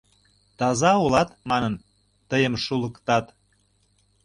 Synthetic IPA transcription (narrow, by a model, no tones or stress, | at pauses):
t̪ɑzɑulɑt̪mɑnən | t̪əjəmʃulə̆kt̪ɑt̪